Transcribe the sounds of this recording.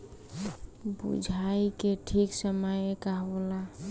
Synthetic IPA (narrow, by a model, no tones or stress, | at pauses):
bṵd͡ʒʱaikeʈʰiksəməjkaɦola